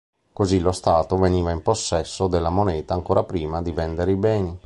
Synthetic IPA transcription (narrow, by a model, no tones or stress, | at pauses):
kozilost̪aːt̪oveniːvaimposːɛsːod̪elːamonɛːt̪aːŋkoːɾapɾiːmad̪ivɛnd̪eɾibɛːni